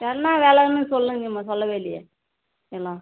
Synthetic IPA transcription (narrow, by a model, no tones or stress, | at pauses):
tɛnːãːʋeːlɛnɯsɔlːɯ̃ŋɡɐmãːsɔlːɐʋeːlɪjɐ̰ | ɛlːãː